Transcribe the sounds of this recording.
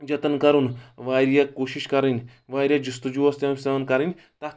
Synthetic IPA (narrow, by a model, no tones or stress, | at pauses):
d͡ʒɐt̪ənkɐɾunʋaːɾjakoːʃiʃkɐɾinʲ | ʋaːjɾjad͡ʒust̪ud͡ʒuʋɐst̪jɐmseʋɐnkɐɾinʲ | t̪ɐ